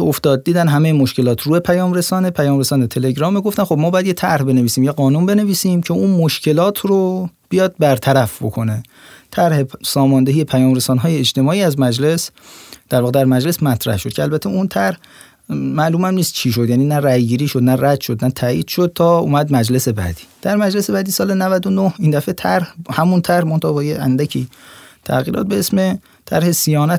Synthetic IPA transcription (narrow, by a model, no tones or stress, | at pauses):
oft̪ɒːd̪̚ːiːd̪ænɦæmejemoʃce̞lɒːt̪ʰruːepʰæjɒːmɾe̞sɒːnepʰæjɒːmɾesɒːnet̪ʰe̞le̞ɡɾɒːmeɡoft̪ænxobmɒbɒjæd̪jet̪ʰæɾhbe̞neviːsiːmjeɡɒːnuːnbe̞ne̞viːsiːmcʰeuːnmoʃcʰe̞lɒːt̪ʰrob̥ijɒːd̪̚bæɾt̪ʰæɾæfbo̞̰kʰone | t̪ʰæɾhe̞sɒːmɒːnd̪eijepʰæjɒːmɾesɒːnɦɒːjeːt͡ʃt̪e̞mɒːiːæzmæd͡ʒle̞sd̪̥æɾvɒːɣed̪æɾmæd͡ʒle̞smæt̪ʰɾæ̰hʃod̪kʰcʰeælbæt̪ʰeunt̪ʰæɾh | mæluːmæmniːst̪̚t͡ʃʰiːʃ̬od̪jæːniːnæræjɡiːɾiːʃod̪næræd̪̥ʃod̪næt̪ʰæːḭːd̪̥ʃod̪̥̚t̪ʰɒːṵːmæd̪mæd͡ʒle̞se̞bæ̰d̪̥i̥ːd̪̥æɾmæd͡ʒlese̞bæːd̪iːsɒːlenævæd̪onohiːnd̪æfet̪ʰæɾhhæmunt̪ʰæɾhmont̪ʰɒːbɒːjeænd̪æcʰiːt̪ʰæ̰ɣiːɾɒ̰ːt̪̚beesme | t̪ʰæɾhe̞sijɒːnæ